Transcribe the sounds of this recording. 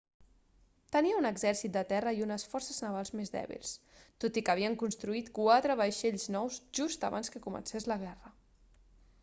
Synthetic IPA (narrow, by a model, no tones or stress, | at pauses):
t̪əniəunəɡzɛɾsit̪̚d̪ət̪ɛrəiunəsfɔrsəznəβalˠzmezðɛ̰βḭlˠs | t̪ot̪ikəβ̞iəŋkunst̪ɾuit̪kwat̪ɾəβajʃeʎznɔwzʒust̪ə̰βa̰nskəkumə̰nsezləɣ̞ɛrə